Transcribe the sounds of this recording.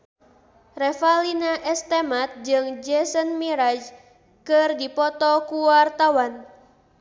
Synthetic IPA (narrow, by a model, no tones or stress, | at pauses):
rɛfalinaʔɛst̪emat̪̚d͡ʒɨŋd͡ʒɛsənmiɾad͡ʒ | kɨrdipɔt̪ɔkuwart̪awan